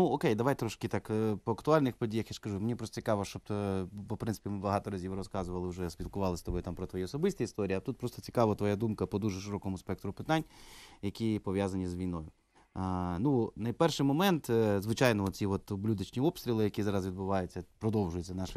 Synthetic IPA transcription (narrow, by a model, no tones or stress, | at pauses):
nuɔkejd̪ɐʋɑjt̪ɾɔʃkɪt̪ɑkpɔɐkt̪ʊɑlʲnɪxpɔdʲijɐxjaʂkɐʒumenʲipɾɔst̪ɔ̥t͡sʲi̥kɑʋɐʃt͡ʃɔb̚t̪pɔpɾɪnsɪ̥pʲimɪbɐɦɑt̪ɔɾɐzʲiʋɾɔskɑzʊʋɐlˠɪwʒɛspʲilˠkʊʋɑlˠɪsʲt̪ɔbɔjt̪ɑmpɾɔt̪ʋɔjiɔsɔbɪsʲt̪ʲiist̪ɔɾʲijiɐt̪ut̪̚pɾɔst̪ɔ̥t͡sʲi̥kɑʋɐt̪ʋɔjad̪umkɐpɔd̪uʒɛʃɪɾɔkɔmʊspɛk̚t̪ɾʊpɪt̪ɑnʲjɐkʲipɔʋʲjazɐnʲizʋʲijnɔjʊ | nunɐjpɛrʃɪjmɔmɛnt̪zʋɪt͡ʃɑjnɔɔt̪ʲt͡sʲiʋɔt̪blʲud̪ɐt͡ʃnʲiɔpst̪ɾʲilˠɪjɐkʲizɑɾɐzʋʲid̪bʊʋɑjʊt͡sʲːɐpɾɔd̪ɔwʒʊjet͡sʲːɐnɑʃ